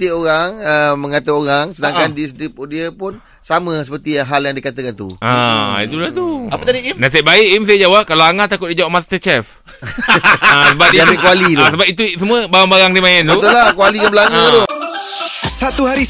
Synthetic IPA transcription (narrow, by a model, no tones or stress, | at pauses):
t̪ioɾaŋəmːə̃ŋat̪əoɾaŋsədaŋkandisdipdiəpʊn | samə̃səpərt̪iɦaljaŋdiəkat̪əkant̪ṵʔaḭt̪ulaht̪uapət̪adiimnãsaʔbaɪʔims̬ajəd͡ʒawaʔ̚kalaaŋaʔt̪ːakʊt̪̚did͡ʒawaʔmast̪ət͡ʃɛf | asəbap̚diatekualisəbap̚it̪usəmũəbaɾaŋbaɾaŋdimãɛnt̪ut̪ulakualikaŋbəlaɲə̃o | sat̪uɦaɾi